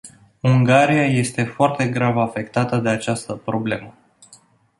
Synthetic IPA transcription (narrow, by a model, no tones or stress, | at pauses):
uŋɡaɾijaje̞st̪e̞foart̪e̞ɡɾavafe̞kt̪at̪əd̪e̞at͡ʃast̪əpɾo̞ble̞mə